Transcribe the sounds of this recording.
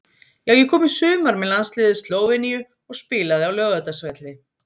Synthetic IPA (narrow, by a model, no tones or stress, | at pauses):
jaɣjʏkʰɔːmisʏːmaɾmɛðlanslɪːðɪst̪loːwvɛnijʏ | ɔɣspɪːlaðɪawlœːɣvœt̪asvɛt̪lɪ